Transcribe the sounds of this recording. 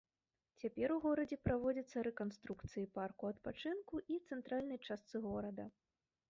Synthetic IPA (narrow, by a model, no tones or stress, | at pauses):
t͡sʲapʲɛɾuɣɔɾɐd͡zʲɛpɾavɔd͡zʲɐt̪sːɐɾɛkanst̪ɾukt̪sɨjiparkuɐt̪pat͡ʂɨnkuʔit̪sɛnt̪ɾalʲnɐjt͡ʂast̪sɨɣɔɾɐd̪ɐ